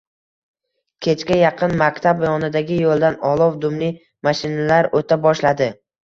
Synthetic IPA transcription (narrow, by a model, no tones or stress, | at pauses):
kʲʰe̞t͡ʃkʲajɑqʰɨnmakʲt̪ʰabjɒnɪd̪aɡʲɪjolˠd̪anɒlˠɒwd̪ʊmli | maʃɪnalaɾot̪ʰabɒʃlad̪ɪ